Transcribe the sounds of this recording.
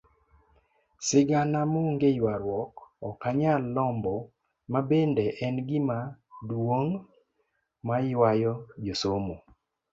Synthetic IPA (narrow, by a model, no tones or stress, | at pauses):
sɪɡanamoŋɡejwaɾwɔkɔkaɲalːɔmbɔ | mabendeʔɛnɡɪmadwoŋ | majwajɔd͡ʒosomo